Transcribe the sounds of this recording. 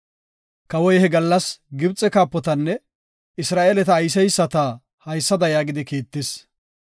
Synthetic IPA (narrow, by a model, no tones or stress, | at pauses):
kɐwɔjhɛɡɐlːɐsɡɪbt͡sʼːɛkaːpːɔt̪ɐnːɛ | ɪsɾaːʔeːlɛt̪ɐːjsɛjsːɐt̪a | hɐjsːɐd̪ɐjaːɡɪd̪ɪkiːt̪ːɪs